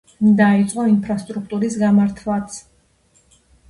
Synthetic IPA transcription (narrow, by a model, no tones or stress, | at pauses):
d̪ait̪sʼqʼɔinpʰɾast̪ʼɾuk̚ʰt̪ʼuɾisɡamaɾt̪ʰlˠat̪sʰ